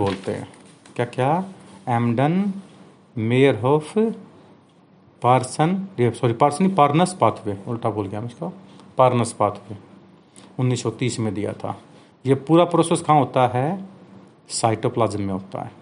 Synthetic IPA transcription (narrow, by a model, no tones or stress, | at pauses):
boːlt̪eɦɛ̰̃ː | kjaːkjaːɛːmɖən | meːɾɦoːpʰ | paːɾsənisɔːɾipaːɾsənipaɾnəspaːt̪ʰʋeʊlʈaboːlɡjamɪt͡ʃʰkao | paːɾnəspaːt̪ʰʋe | ʊnːiːsːɔt̪iːsmẽd̪ija̰t̪ʰa̰ː | jepuːɾapɾoːseskʰãːɦoːt̪aɦɛ | saːɪʈoːplaːd͡ʒəmmẽɦoːt̪a̰ɦɛː